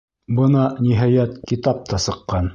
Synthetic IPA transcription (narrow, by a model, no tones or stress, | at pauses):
bɤnɑniɦɑjæt̪kit̪ɑp̚t̪ʰɑsɤ̆qːɑn